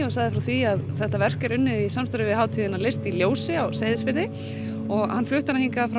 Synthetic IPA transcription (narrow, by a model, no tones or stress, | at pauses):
ɔsaɣðɪfɾawθviaðθɛht̪avɛr̥kɛɾʏnːɪðisamst̪aɾɪvɪðɦaːwt̪ʰiðɪnalest̪iljoːwsɪawsajðɪsfɪɪ | ɔɣhanːflʏht̪anahiŋkafɾa